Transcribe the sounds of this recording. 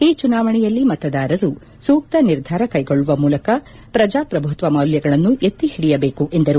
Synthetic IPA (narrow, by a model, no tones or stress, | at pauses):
iːt͡ʃunaːʋɐɳɛjɐlːimɐt̪ɐd̪aːɾɐɾu | suːk̚t̪ɐniɾd̪ʱaːɾɐkɐjɡoɭːuʋɐmuːlɐkɐ | pɾɐd͡ʒaːpɾɐbʱut̪ʋɐmɐwljɐɡɐɭɐnːuʔet̪ːiɦiɽijɐbe̞ːkuʔe̞nd̪ɐɾu